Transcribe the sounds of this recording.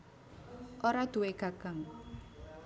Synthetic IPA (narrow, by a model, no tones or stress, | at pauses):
ʔoɾad̪̥ṳweɡ̥a̤kaŋ